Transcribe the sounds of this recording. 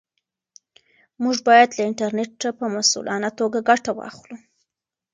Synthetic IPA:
muʐbɑjad̪laɪɳʈaɾneʈːapəmasṵlʔɑ̰nat̪oɡaɡaʈawɑ̰xlu

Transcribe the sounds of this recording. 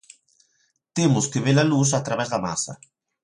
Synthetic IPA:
t̪emʊskeβelalusat̪ɾaβɛzðama̰sɐ̰

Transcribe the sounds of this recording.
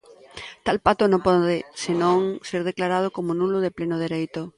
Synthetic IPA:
t̪alpat̪ʊnõmpɔðɪsɪnõŋseɾð̞eklaɾað̞ʊkomonulʊðeplenʊð̞eɾejt̪ʊ

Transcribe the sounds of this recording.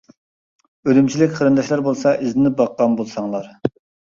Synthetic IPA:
ølymt͡ʃʰilɪkʲqʰəɾɨnd̪ɑʃlˠɑɾbolˠsɑʔizɪnɪp̚bɑqːɑmbolˠsɑŋlˠɑɾ

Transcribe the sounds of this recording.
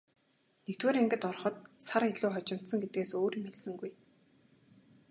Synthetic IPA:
nekt̪weːɾeŋɡɘ̆t̪ɔrχɞ̆t̪̚saɾeɮʊːχɔt͡ɕɪ̆m̥t̪sə̆ŋɡet̪̚ɡeːsoːɾimeɮsɘ̆ŋɡuj

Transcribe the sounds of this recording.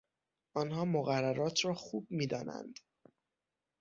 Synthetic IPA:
ɒːnhɒːmoɣærːæɾɒːt̪ʰɾɒːxuːb̚miːd̪ɒ̰ːnæ̰nd̪̥

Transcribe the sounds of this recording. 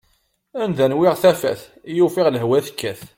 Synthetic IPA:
ænðænwɪʁθæfæ̰θ | jufɪʁləɦwæθəkːæθ

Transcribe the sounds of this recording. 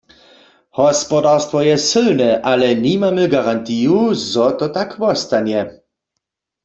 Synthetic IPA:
hɔspɔdaʁst̪vɔjɛsɘlnɛʔalɛnimamɛɡaʁant̪iːjuzɔt̪ɔt̪akvɔst̪anjɛ

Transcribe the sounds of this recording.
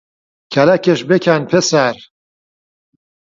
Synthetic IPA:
kʰɐlakʰeʃbekʰanpʰesaɾ

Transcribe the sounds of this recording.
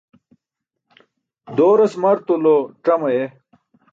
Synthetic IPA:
d̪oːɾɐsmɐɾt̪uloʈ͡ʂɐmɐje

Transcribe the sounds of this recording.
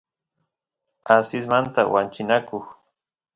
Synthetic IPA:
asɪs̬mant̪awant͡ʃɪnakoχ

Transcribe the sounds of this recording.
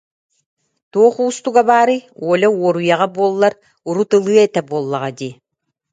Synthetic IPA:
t̪uɔχuːst̪uɡabaːɾɯuɔlʲɛuɔɾujaʁabuɔlˠːaɾ | uɾut̪ɯlˠɯɐɛt̪ɛbuɔlˠːaʁad̪i

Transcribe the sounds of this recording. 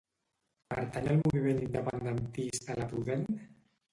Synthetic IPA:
pə̰ɾt̪anəlmuβimenind̪əpand̪ənt̪isalapuðen

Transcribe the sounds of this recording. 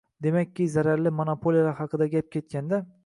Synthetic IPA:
d̪e̞makʲːɪzaɾaɾlɪmonopʰolijlahɑqʰɨd̪aɡʲap̚kʲe̞t̪̚kʲand̪a

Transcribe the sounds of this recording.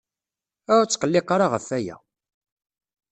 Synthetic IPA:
æt͡sːqəlːɪqːaɾˤaʁəfæjæ̰

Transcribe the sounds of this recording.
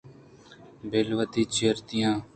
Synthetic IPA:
bʱeːlʋət̪iːt͡ʃeːɾt̪ɪjãː

